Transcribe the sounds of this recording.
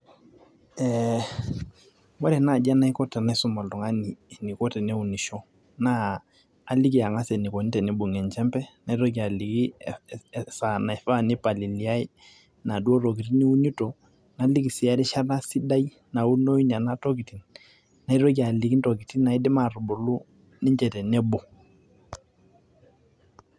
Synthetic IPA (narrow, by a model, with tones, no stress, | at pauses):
ɛ | wɛ˦ɾɛ˨na˦˨d͡ʒa˦na˦i˦kɔ˦tɛ˨na˦i˦sʊ˦ma˨ltɔ˨ŋa˦ni˨ni˨kɔ˦tɛ˨nɛ˦u˨ni˨ʃɔ˦ | naː˦˨ | li˦ki˨a˨ŋa˦sɛ˨ni˨ko˨ni˦tɛ˨ni˦bu˨ŋɛ˨nt͡ʃɛ˦mpɛ˦na˨˦i˦ɾo˦k̬i˨a˨li˨ki˦ | sa˨na˨ɛ˨fa˦˨ni˦pa˨li˨li˨a˦i˦ | na˨du˦o˦ɾo˨k̬i˨ti˦ni˦u˦ni˦to˨ | na˨˦li˦ki˨sɪ˨a˦ɾi˦ʃa˦ra˦si˦da˦i˦ | na˨u˦no˦i˦na˨na˦to˦ki˨ti˨n | na˨i˦ɾo˦k̬i˦a˨li˨ki˦nto˨ki˨ti˦na˨i˦dɪ˦ma˨ru˨bo˨lu˦ | nɪ˦ɲt͡ʃɛ˨tɛ˨nɛ˦bo˨